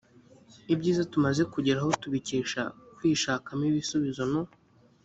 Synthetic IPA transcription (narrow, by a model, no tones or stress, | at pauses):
ibɟiːzatumaze̞kuɟeɾahotuβiciːʃa̰kwiːʃaːkamiβisuβizo̞no̞